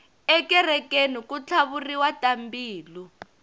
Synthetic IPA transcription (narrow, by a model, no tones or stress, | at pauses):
ɛkɛrɛkʼenukut͡ɬʰaβuriwatʼambiːlu